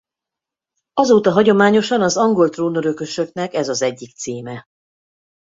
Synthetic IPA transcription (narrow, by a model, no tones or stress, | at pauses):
ɒzoːt̪ɒɦɒɟo̞maːɲo̞ʃɒnɒzɒŋɡo̞lt̪roːnoɾø̞kø̞ʃø̞knɛkɛzɒzɛɟːik̚t̪siːmɛ